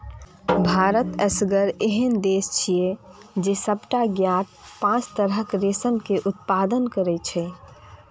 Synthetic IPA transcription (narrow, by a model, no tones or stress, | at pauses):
bʱaɾət̪ɛsɡəɾeɦənd̪est͡ʃʰijed͡ʒesəbʈaɡjaʈ̚pãt͡ʃt̪əɾɦəkɾesənkeʔut̪̚pad̪ənkəɾɛt͡ʃʰɛ